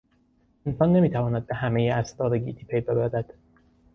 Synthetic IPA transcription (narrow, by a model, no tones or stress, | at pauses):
ensɒːnːe̞miːt̪ʰævɒːnæd̪̚behæmejeæst̪ɒːɾeɡḭːt̪ʰiːpʰejbe̞bæɾæd̪̥